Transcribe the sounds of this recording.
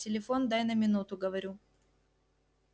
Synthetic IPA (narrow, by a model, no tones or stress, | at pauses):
tʲɪlʲɪfo̞nd̪ajnəmʲɪnut̪ʊɡəvɐɾʲu